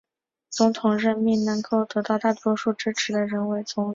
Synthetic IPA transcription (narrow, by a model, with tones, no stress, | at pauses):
t͡sʊ˧˥ŋt̪ʰʊ˨˩ŋɻə˥˧nmi˥˩nnɤ˧˥ŋko˥˩ʊt̪ɤ˧˥t̪ɑ˥˧ʊt̪a˥˩t̪wɔ˥ʂu˥˩ʈ͡ʂɻ̩˥ʈ͡ʂʰɻ̩˧˥d̪ə˧ɻə˧˥nwe˧˥ɪt͡sʰʊ˧˥ŋ